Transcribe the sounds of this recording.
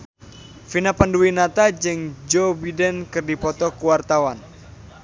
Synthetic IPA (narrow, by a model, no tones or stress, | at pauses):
finapanduinat̪ad͡ʒɨŋd͡ʒobidɛnkɨrdipɔt̪ɔkuwart̪awan